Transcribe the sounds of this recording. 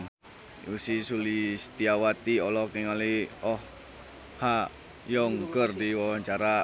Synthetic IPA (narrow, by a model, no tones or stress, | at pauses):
usisulist̪iawat̪iɔlɔkiŋaliɔh | ha | jɔŋkərdiwawaɲt͡ʃaɾa